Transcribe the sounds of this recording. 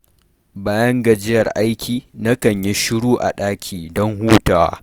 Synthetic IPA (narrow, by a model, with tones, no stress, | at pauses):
baː˦jɐ˦ŋɡɐ˨d͡ʒɪ˦jɐ˨rʔa˦jkʲʰiː˨na˦kɐ˨ɲji˦ʃʊ˦ɽuː˦ʔa̰˨ɗaː˦kʲʰiː˨dɔ˦ŋhuː˦taː˨wa̰˦